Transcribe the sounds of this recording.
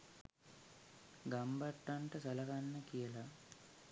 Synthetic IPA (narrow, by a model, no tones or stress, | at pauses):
ɡɐmbɐʈːɐɳʈɐsɐlɐkɐnːɐkijɐlɐ